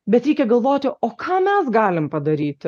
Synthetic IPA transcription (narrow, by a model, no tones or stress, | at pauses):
bʲɛt̪ɾʲɛɪkʲɛɡɐlˠʋoːt̪ʲɪʔoːkʰɑːmʲɛsɡɑːlʲɪmpɐd̪ɐɾʲiːt̪ʲ